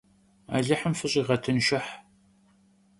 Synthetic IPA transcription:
a̰ːɮɐħəmfɨɕʼiːʁɐtʰɨnʃɪħ

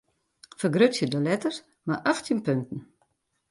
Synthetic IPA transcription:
fərɡrøtsjədəlɛtərs | maʔaxtʰinpøntən̩

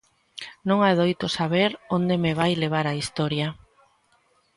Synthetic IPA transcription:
nõŋaðojt̪osaβeɾond̪emeβ̞ajleβ̞aɾaist̪ɔɾja

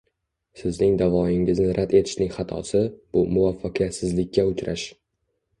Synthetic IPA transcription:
sɪznɪŋd̪avɒɪŋɪznɪɾʔad̪e̞t̪ʰɪ̥ʃnɪŋʲχɑt̪ʰɒ̰sɪb̥ʊmʊvafːaqʰɨjat̪sɪzlɪkʲːaʊt͡ʃʰɾʔa̰ʃ

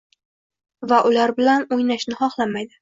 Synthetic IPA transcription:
vaʔʊlaɾbɪlanojnaʃnɪχɒχlˠamajd̪ɪ

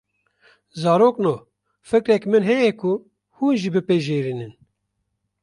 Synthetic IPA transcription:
zɑːɾoːknoː | fɨkɾɛkmɨnɦɛjɛkʰu | huːnʒibɨpeːʒeːɾiːnɨn

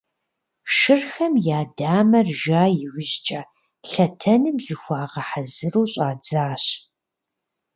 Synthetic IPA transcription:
ʂɨrxɐmjaːdaːmɐrʒaːjɪwʷɪʑt͡ʃʼaː | pɬɐtʰɐnɨmzɨxʷaːʁɐħazɨruːɕʼaːd͡zaːɕ

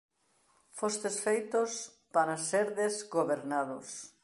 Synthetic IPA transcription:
fost̪esfejt̪ʊs | paɾaseɾðezɡoβeɾnaðʊ̰s

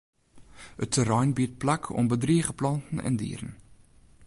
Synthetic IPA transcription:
ətʰːəɾɑjnbit̚plækʰɔ̰mbədriəχəplɐntən̩ɛ̰ndḭːɾən

